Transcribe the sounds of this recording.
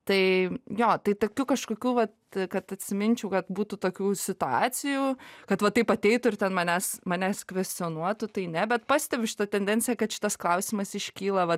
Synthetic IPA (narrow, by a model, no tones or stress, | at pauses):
t̪ɐɪjoːt̪ɐɪt̪oːkʲuːkɐʃkoːkʲuːʋɐt̪̚kɐt̪ɐt̪ʲsʲɪmʲɪnʲt͡ʃʲɛʊkɐt̪buːt̪ʊt̪oːkʲuːsʲɪt̪ʊɑːt͡s̪ʲɪjuːkɐt̪ʋɐt̪ːɐɪpɐt̪ʲɛɪt̪ʊɪrt̪ʲɛnmɑnʲæːsmɑːnʲæːskʋʲɛsʲt͡s̪ʲɪonuɔt̪ʊt̪ɐɪnʲɛbʲɛt̪pɑːsʲt̪ʲɛbʲʊʃʲɪt̪ɐt̪ʲɛnʲd̪ʲɛnʲt͡sʲɪjɛkɐt̪ʃʲɪ̥t̪ɐsklˠɐʊsʲiːmɐsɪʃʲkʲiːlˠɐʋɐ